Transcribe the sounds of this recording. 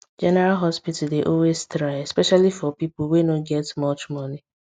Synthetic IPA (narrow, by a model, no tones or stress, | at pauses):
d͡ʒɛnɛɾalɦɔspitideʔɔwestɾaɪɛspɛʃalifɔpipʊl̩wenoɡɛtmɔt͡ʃmʌni